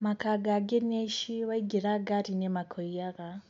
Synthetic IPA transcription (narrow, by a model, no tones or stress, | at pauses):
makaɡaɡeneʃiwaiɡiɾaɡatinemakʰoijaka